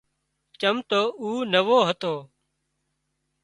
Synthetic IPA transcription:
t͡ʃəmt̪oːuːnəʋoːɦət̪oː

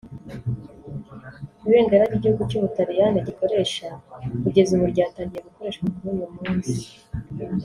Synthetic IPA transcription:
iβe̞ːŋɡaɾaɾɟiɟihuɡucuβutaβijaneɟiko̞ɾe̞ʃakuɟe̞zumuɾɟaːtaːɲɟije̞ɡuko̞ɾe̞ːʃɡamuɾuːjumuːnzi

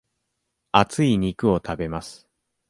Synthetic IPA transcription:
at͡sɨiɲ̟ikɯ̟o̞t̪ʰabe̞masɨ̥

